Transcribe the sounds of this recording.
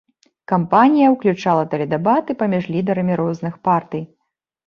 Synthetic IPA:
kampanʲijɐwklʲut͡ʂalˠɐt̪ɛlʲɛd̪ɛbat̪ɨpɐmʲiʐlʲid̪ɐɾɐmʲiɾɔznɨxpart̪ɨj

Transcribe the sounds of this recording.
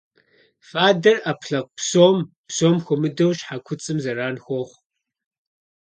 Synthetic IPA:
fʼaːdɐrapʰɬɐq̚psoːm | psoːmxʷɔmɨdɐwʃħakʷʰʊt͡sʼɨmzɐɾaːnxʷoχʷ

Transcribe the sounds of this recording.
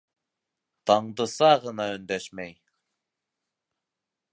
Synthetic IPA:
t̪ɑɴd̪ɤ̆sɑʁɤ̆nɑɵ̆nd̪æʃmæj

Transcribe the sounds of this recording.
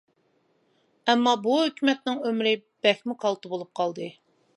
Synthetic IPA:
ɛmːɑbuɦøkʲymɛt̪̚nɪŋømɾɪb̥ɛxmɪqʰɑlˠt̪ʊbolˠup̚qʰɑlˠd̪ɨ

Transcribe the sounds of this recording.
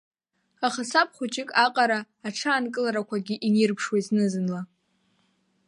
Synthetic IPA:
aχasap̚ʰʼχʷʊt͡ʃʼɪkʼaqʼaɾaːʈ͡ʂʰaːnkʼɨlaɾakʷʰaɡʲiʔinɪrpʰʂwaiznɨzɨnla

